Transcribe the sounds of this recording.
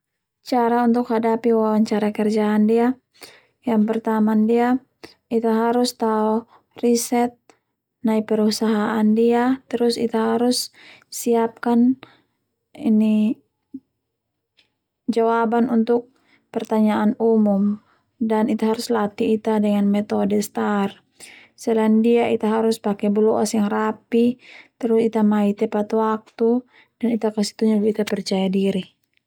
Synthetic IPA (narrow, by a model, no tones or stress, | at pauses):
t͡ʃaɾaunt̪ʊkhadapiwawaɲt͡ʃaɾakərd͡ʒaːndia | jaŋpərt̪amandia | it̪aɦaɾʊst̪aɔ | risɛt̪̚ | naipəɾusaɦaʔandiat̪əɾʊsḭt̪aɦaɾʊsːiap̚kan | ini | d͡ʒawabanunt̪ʊk̚ | pɛrt̪aɲaʔːnumum | danit̪aɦaɾuslat̪iːt̪adɛŋanmɛt̪ɔdɛst̪ar | sɛlaɛndiait̪aɦaɾuspakɛbəlɔʔasjaŋrapit̪ɛɾʊsit̪amait̪ɛpat̪wak̚t̪u | danit̪akasi̥t̪uɲabit̪apɛrt͡ʃajadiɾi